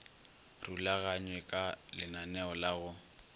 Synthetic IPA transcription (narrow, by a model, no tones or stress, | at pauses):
rulaɣaɲwɛkʼalɪnanɛɔlaɣʊ